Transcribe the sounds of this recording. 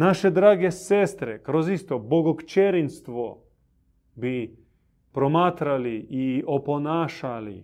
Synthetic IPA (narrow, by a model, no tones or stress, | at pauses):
naʃed̪ɾaːɡeseːst̪ɾɛkɾozist̪oboɡokt͡ʃeɾinst̪ʋo | bi | pɾomaːt̪ɾaliioponaːʃalḭ